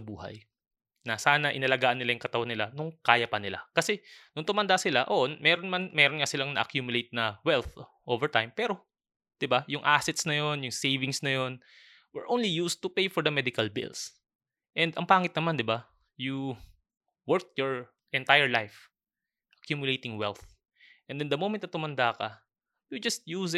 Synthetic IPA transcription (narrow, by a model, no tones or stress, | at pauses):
bṵːhɐ̰j | nɐsaːnɐʔɪ̰nɐlɐɡaːʔɐnːɪlajʊŋkɐt̪ɐwanːɪlanʊŋkaːjɐpɐnɪla̰kɐsɛnʊŋt̪ʊmɐnd̪asɪlaʔo̰ʔnmɛːɾonmɐnmɛːɾonŋasɪlaŋnɐʔɐkjuːmjʊlejt̪̚nɐwɛlθʔoːvɛɹt̪ajmpɛːɾo̞ | d̪̥ɪbajʊŋʔasɛt̪snɐjo̞njʊŋsejvɪŋsnɐjo̞n | wɪɹʔownlijust̪ʊpejfɔɹd̪ɐmɛd̪ɪkɐlbɪ̰ls | ʔɛ̃nd̪ɐŋpaːŋɪt̪nɐmand̪ɪba | ju | wɛɹk̪̚jɔɹ | ʔɛ̃nt̪ajɛɹlajf | ʔɐkjuːmjʊlejt̪ɪŋwɛ̰lθ | ʔɛ̃nd̪ɪnd̪ɐmomɛnt̪nɐt̪ʊmɐnd̪aːkɐ̰ | jud͡ʒɐst̪̚jus